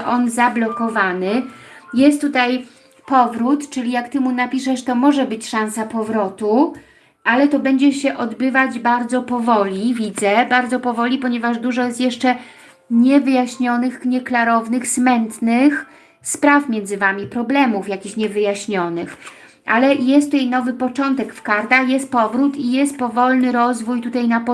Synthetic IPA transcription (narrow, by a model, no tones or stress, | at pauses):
ʔɔnzablɔkɔvanɘjɛst̪ːut̪aj | pɔvɾut̪t͡ʂɘlʲijakt̪ɘmunapʲiʂɛʂt̪ɔmɔʐɛbɘt͡ɕʂãnsapɔvɾɔt̪u | ʔalɛt̪ɔbɛɲd͡ʑɛɕɛʔɔd̪bɘvad͡ʑbaɾd̪zɔpɔvɔlʲivʲid̪zɛbaɾd̪zɔpɔvɔlʲipɔɲɛvaʐd̪uʐɔjɛst̪jɛʂt͡ʂɛ | ɲɛvɘjaɕɲɔnɘxɲɛklaɾɔvnɘxsmɛnt̪nɘx | spɾafmʲjɛnd̪zɘvamʲipɾɔblɛmufjakʲiɕɲɛvɘjaɕɲɔnɘx | ʔa̰lɛjɛst̪uajnɔvɘpɔt͡ʂɔnt̪ɛkfkaɾt̪axjɛst̪̚pɔvɾut̪ijɛst̪̚pɔvɔlnɘɾɔzvujt̪ut̪ajnapɔ